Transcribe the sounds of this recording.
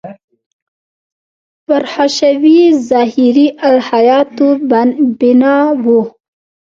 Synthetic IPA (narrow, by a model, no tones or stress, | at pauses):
faɾhaʃawizɑɦiɾiʔawhajɑt̪ubɪnɑwu